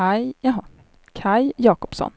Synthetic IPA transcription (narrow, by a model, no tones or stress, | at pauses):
ajjaɦɑ | kʰajjɑːkɔ̥psɔ̰n